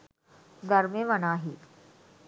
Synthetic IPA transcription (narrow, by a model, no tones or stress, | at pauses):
d̪aɾmeʋənaɦiː